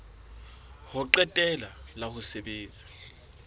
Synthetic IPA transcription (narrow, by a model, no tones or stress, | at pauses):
hʊǃɛtʼɛlalahʊseɓeːnd͡zʱʼi̥